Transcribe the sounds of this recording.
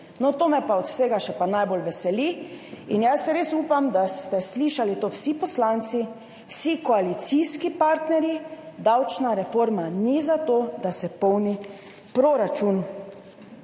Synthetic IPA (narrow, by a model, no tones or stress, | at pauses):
nɔt̪oːmɛpaɔt̪seːɡaʃɛpanajbolʋɛsɛliinjasɛɾesuːpamd̪ast̪ɛsliʃalit̪owsipɔslaːnt̪si | wsikɔalit̪siskipaɾt̪nɛɾjid̪awt͡ʃnaɾɛfoːɾmanizat̪od̪asɛpɔwni | pɾoɾat͡ʃun